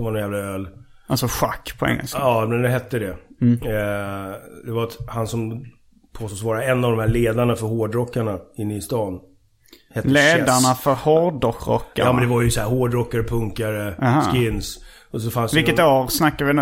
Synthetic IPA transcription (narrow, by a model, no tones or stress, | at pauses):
dɛmvanɔnjæːvlaøːl | alsɔɧa̰kːpʰɔɛ̰ŋːə̰lskaɑːmɛnd̪ɛɦɛt̪ːəd̪ɛ | d̪ɛvaɾat̪hansɔm | pʰoːst̪oːsvɑːɾaɛnːavd̪ɔmhæːɾɭeːd̪aɳafœɾhoːɖɾɔkːaɳaɪnːɪst̪ɑːn | hɛt̪ːleːd̪aɳafœɾhoɖɔkɾɔ̰kːaːmɛnd̪ɛvaɾjəsɔhæːɾhoːɖɾɔkːaɾəpʰɵŋkaɾəskɪnːs | ɔsɔfansdvɪlkːət̪ɛaɾsnakːaɾvɪn